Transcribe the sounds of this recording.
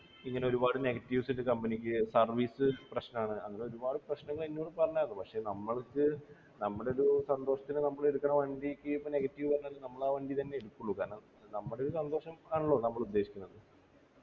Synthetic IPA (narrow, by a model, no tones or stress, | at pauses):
iŋːɐne̞oɾubaːɽɨneɣɐtːiʋsiɾukɐmbɐnikʲːɨsɐrʋiːsɨprɐɕnɐmaːɳɨɐŋːɐne̞o̞ɾubaːɽɨprɐɕnɐŋːɐɭinːuoːɳːɨpɐrɐɲːaːɾɐnːɨpɐkʂe̞nɐmːɐɭkːɨ | nɐmːɐɽe̞oɾusɐnd̪o̞ːʂɐt̪ːinɨnɐmːɐɭeɽukːɐɳɐʋɐɳɖikʲːɨpːone̞ɣɐtːiʋɨʋɐnːɐlːɐnɐmːɐɭaːʋɐɳɖit̪ɐnːe̞eɽukːuɭːukana | nɐmːɐɽe̞oɾusɐnd̪o̞ːʂɐmaːɳuɭːoːnɐmːɐɭud̪ːe̞ːɕi̥kʲːunːɐðɨ